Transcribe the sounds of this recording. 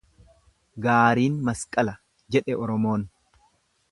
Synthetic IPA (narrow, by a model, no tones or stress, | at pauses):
ɡaːɾiːnmɐskʼɐlɐ | d͡ʒɛᶑɛɔɾɔmoːn